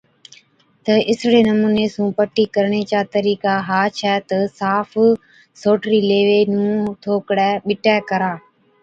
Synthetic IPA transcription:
t̪əʔɪsɽeːnəmũːneːsũːpəʈːiːkəɾɳeːt͡ʃaːt̪əɾiːkaːɦaːt͡ʃʰɛːt̪əsaːf | soːʈɾiːleːʋeːnũːt̪ʰoːkɽɛːɓɪʈɛːkəɾaː

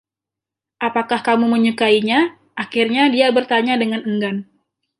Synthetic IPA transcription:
ʔapakahkamuməɲukaiɲa | ʔakirɲadiabərt̪aɲadəŋanəŋɡan

